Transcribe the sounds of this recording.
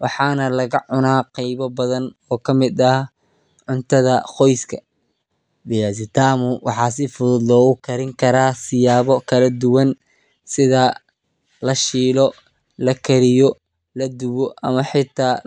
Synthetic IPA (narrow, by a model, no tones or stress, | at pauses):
wɑħɑːnɐlɐɣɐʕʊnaːqɛjβɐbɐðɐnɔːkʰɐmɪd̪ɐh | ʕʊnt̪ʰɐðɐqɔjskʰɐ | bɛjasɪt̪ʰaːmʊwɑ̰ħɑːs̬ɪfʊðʊd̪lɔːɣʊkʰɐɾɪŋkʰɐɾaːsɪjaːβɔkʰɐlɐd̪ʊwɐn | sɪðɐ | lɐʃiːlɔ | lɐkʰɐɾɪjɔ | lɐd̪ʊwɔʔɐmɐħɪt̪ʰːaː